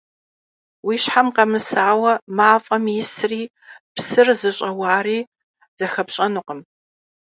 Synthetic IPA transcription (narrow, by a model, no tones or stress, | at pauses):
wiːɕħamqɐmɨsaːwɐmaːfʼɐmjɪsriː | psɨrzɨɕʼɐwaːriː | z̥ɐxɐpɕʼɐnuqəm